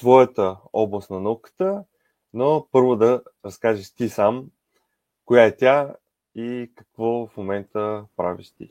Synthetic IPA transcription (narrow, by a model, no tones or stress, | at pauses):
t̪vɔjət̪əɔblˠəst̪nɐnokə̥t̪ə | nopɤɾvod̪ɐɾɐskaʒiʃt̪isam | kʊjaɛt̪ʲja | ikəkvɔfmomɛnt̪əpɾa̰vḭʃt̪ḭ